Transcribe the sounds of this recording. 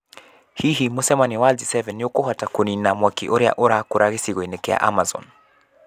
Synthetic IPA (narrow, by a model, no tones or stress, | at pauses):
hiɦimosɛmaniwalzisɛvɛnjokohatakoninamwakḭʔoɾɛa̰ʔoɾakuɾʔaɣisiɣenɛkɛa̰ʔa̰mazɔ̰n